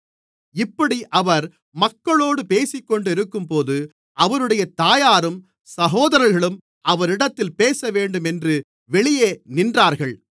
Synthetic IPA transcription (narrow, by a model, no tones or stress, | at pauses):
ɪpːɐɽiʔɐʋɐɾ | mɐkːɐɭoːɽɯpeːsɪkːɔɳɖɪɾɯkːɯmpoːðɯ | ʔɐʋɐɾɯɽɐjɐt̪aːjaːɾɯm | sɐɣoːðɐɾɐɾɣɐɭɯm | ʔɐʋɐɾɪɽɐt̪ːɪlpeːsɐʋeːɳɖɯmɛndrɯ | ʋɛɭɪjeːnɪndraːɾɣɐɭ